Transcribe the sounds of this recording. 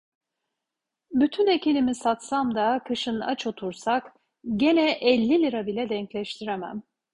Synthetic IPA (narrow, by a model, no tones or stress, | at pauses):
byt̪ʰynecinimisat̪samd̪akʰɯʃɯna̰t͡ʃʰo̞t̪ʰuɾsak | ɟe̞nɛʔɛlʲːilʲiɾabilʲɛd̪ɛɲclʲɛʃt̪ʰiɾemæ̰m